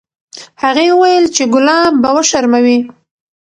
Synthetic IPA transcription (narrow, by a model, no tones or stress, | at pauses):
haɣewuwajəlt͡ʃeɡʊlɑmbawəʃaɾmawi